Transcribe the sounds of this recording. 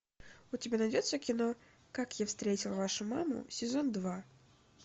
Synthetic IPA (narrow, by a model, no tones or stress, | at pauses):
ʊtʲɪbʲanɐdʲo̞t̪səkʲɪno̞ | kakjafst̪ɾʲetʲɪlˠvaʂʊmamʊ̰sʲɪzo̞nd̪va